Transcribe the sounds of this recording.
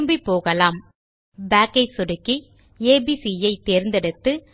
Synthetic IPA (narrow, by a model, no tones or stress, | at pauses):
mbipːoːɣɐlaːm | baːkɐɪsʊɽɯkːi | eːbisijɐɪt̪ːeːɾnd̪ɛɽɯt̪ːɯ